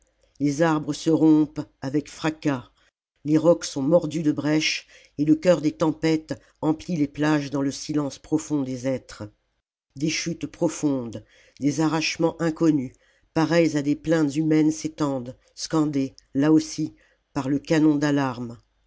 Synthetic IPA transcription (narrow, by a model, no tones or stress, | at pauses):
lezaʁbʁəsəʁɔ̃pavɛkfχaka | leʁɔksɔ̃mɔʁd̪yd̪əbʁɛʃ | eləkʲœʁd̪et̪ɑ̃pɛt̪ | ɑ̃plileplaʒd̪ɑ̃ləsilɑ̃spχɔfɔ̃d̪ezɛt̪χ | d̪eʃyt̪pχɔfɔ̃d̪ | d̪ezaʁaʃmɑ̃ʔɛ̃kɔny | paʁɛjzad̪eplɛ̃t̪zymɛnset̪ɑ̃d̪ | skɑ̃d̪elaosi | paʁləkanɔ̃d̪alaʁm